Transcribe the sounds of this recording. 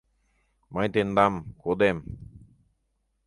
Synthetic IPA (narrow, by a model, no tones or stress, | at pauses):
majt̪end̪amkod̪em